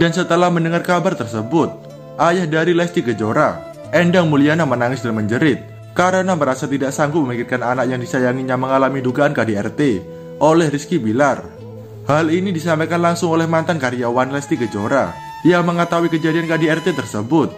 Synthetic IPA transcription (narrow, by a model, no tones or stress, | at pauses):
d̥ansət̪əlahməndəŋarkabart̪ərsəbʊt̪̚ | ʔajahdaɾilɛst̪iɡəd͡ʒoɾa̰ | ɛndaŋmulianamənaŋɪsdanməɲd͡ʒəɾɪt̪̚ | kaɾənaməɾasat̪idaʔsaŋɡuməmikɪrkananaʔ̚jaŋdisajaŋiɲaməŋalamiduɡaankadiɛrt̪e | ʔolɛhriskibilar | halinidisampajkanlaŋsʊŋolɛhmant̪ankaɾijawanlɛst̪iɡəd͡ʒoɾa̰ | jaŋməŋət̪awikəd͡ʒadiankadiɛrt̪et̪ərsəbʊt̪̚